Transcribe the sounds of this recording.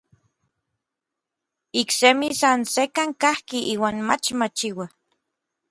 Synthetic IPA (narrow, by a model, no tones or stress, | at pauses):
iksemisansekaŋkahkiʔiːwaːnmat͡ʃmat͡ʃiwa